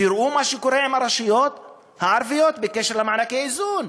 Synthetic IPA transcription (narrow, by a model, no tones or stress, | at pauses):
iɾʔumaʃekoɾeimaɾaʃijot̪ | haʕaɾvijot̪bekeʃeɾlamaʕnakeizun